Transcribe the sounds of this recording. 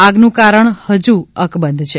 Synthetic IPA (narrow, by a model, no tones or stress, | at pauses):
aɡnũkaɾəɳhəd͡ʒuəkbənd̪ʱt͡ʃʰe